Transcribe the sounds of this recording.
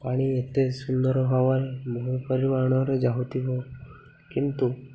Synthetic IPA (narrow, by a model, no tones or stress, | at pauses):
paɽ̃iet̪esund̪ɔɾɔɦɔʋaɾemoɦupɔɾimaɽ̃ɔɾed͡ʒaɦut̪iɦo | kint̪u